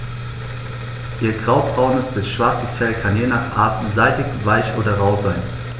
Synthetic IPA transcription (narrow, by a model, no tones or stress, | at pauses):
ʔiːɐɡʁaʊbʁaʊnəsd̥ɛsʃv̥aɐt͡səsfɛlkʰanjeːnaːχʔa̰ɐtn̩zaɪtɪkvaɪçʔoːdɐʁaʊzaɪn